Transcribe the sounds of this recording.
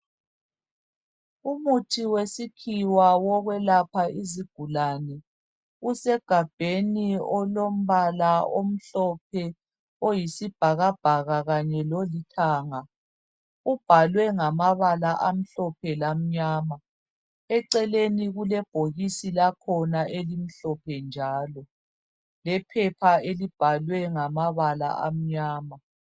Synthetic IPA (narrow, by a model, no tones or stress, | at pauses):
umutʰiwesikʰiwawɔɣwɛlapʰaiziɡ̥ʱulaːnɛ | usɛɡ̥ʱab̥ʱeniɔlom̩βalaom̩ɬɔp̚ʰɛ | ojisib̥ʱaɣab̥ʱaɣaɣaɲɛlolitʰaːŋa | ub̥ʱalwɛŋamaβalaʔam̩ɬɔpʰɛlam̩ɲaːma | ɛǀɛleniɣulɛb̥ʱoɣisilakʰɔnaʔelim̩ɬɔpʰɛnd͡ʒʱaːlɔ | lɛpʰɛpʰaelib̥ʱalwɛŋamaβala̰ʔa̰m̩ɲaːma